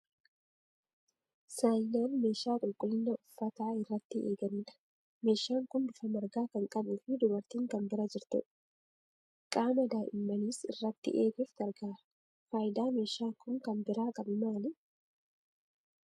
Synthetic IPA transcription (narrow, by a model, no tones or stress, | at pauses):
saːjnaːnme̞ːʃaːkʼʊlkʼʊlːɪnːɐʊfːɐt̪aːɪrːɐt̪ːɪʔḛːɡɐniːᶑɐ̥ | me̞ːʃaːŋkʊnd̪ʊfɐmɐɾɡaːkɐŋkʼɐbufɪd̪ʊbɐɾt̪iːŋkɐmbɪɾɐd͡ʒɪɾt̪ɛ̰ᶑ | kʼaːmɐd̪aːʔɪmːɐniːsɪ̰rːɐt̪ːɪ̰ʔeːɡɛft̪ɐɾɡaːɾɐ̥ | faːjɪd̪aːme̞ːʃaːkʊŋkɐnbɪɾaːkʼɐbɪmaːlɪ